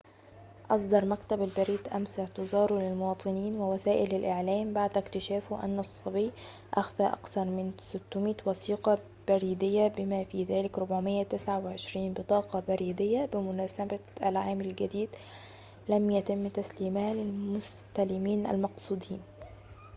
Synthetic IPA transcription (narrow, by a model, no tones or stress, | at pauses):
ʔɑsˤd̪ɑɾˤmakt̪abalbaɾiːd̪ʔamsɪʕt̪ɪzɑːɾulɪlmʊwɑːt̪ˤɨniːnwɪwasæːʔɪlɪlʔɪʕlæːmbaʕd̪ɪkt̪ɪʃæːfʔa̰nːɑsˤːɑbij | ʔaxfaːʔa̰kθɑɾˤmɪnsɪt̪ːʊmiːt̪wɑsiːqɑ | b̥aɾiːd̪ɪjːabɪmaːfiːðæːlɪkɾʊbʕʊmɪjːat̪ɪsʕawɪʕɪʃɾiːnbɨt̪ˤɑːqɑbaɾiːd̪ɪjːabɪmʊnæːsabaʔa̰lʕaːmɪlɡad̪iːd̪ | lamjat̪ɪmːt̪asliːmhalɪlmʊst̪alɪmiːnʔa̰lmɑqsˤuːd̪iːn